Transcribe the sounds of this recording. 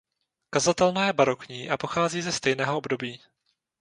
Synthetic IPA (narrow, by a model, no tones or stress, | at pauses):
kazat̪ɛlnajɛbaɾokɲiːʔapo̞xaːziːzɛst̪ɛjnɛːɦoʔobdo̞biː